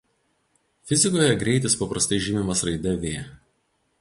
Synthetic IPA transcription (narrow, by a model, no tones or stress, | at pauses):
fʲɪzʲɪkoːjɛɡɾʲɛɪt̪ʲɪspɐpɾɐst̪ɐɪʒʲɪmʲɪmɐsɾɐɪd̪ʲɛʋʲeː